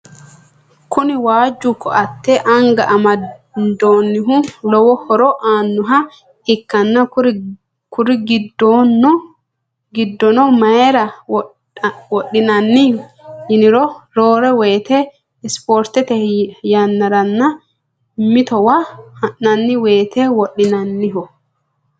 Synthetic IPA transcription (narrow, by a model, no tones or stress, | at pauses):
kʊnɪwaːd͡ʒːʊkːɔɐt̪ːɛʔɐŋɡɐʔɐmɐd̪oːnːɪɦʊlɔwɔhɔɾɔʔaːnːʊɦɐ | ɪkːɐnːɐ | kʊɾɪɡɪdn | ɡɪd̪ːɔnɔmɐɛɾɐ | wɔɗːɪnɐnːɪhɪnɪɾɔɾo̞ːɾɛweːt̪ɛ | ɪspoːɾt̪ɛt̪ɛjɐnːɐɾɐnːɐ | mɪt̪ɔwahɐnːɐnːɪweːt̪ɛwɔɗɪnɐnːɪɦɔ